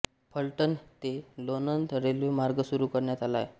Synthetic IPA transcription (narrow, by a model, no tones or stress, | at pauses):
pʰəlʈənt̪elonənt̪ɾelʋemaɾɡəsuɾukəɾɳjat̪ala̰j